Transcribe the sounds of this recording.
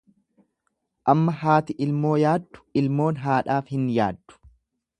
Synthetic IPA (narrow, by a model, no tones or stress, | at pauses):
ʔɐmːɐɦaːt̪ɪʔɪlmo̞ːjaːd̪ːʊ̥ɪlmo̞ːnɦaːᶑaːfhɪnja̰ːd̪ːʊ̥